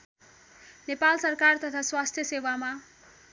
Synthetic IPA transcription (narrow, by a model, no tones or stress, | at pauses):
nepalsʌrkart̪ʌt̪ʰaswast̪ʰjʌsewama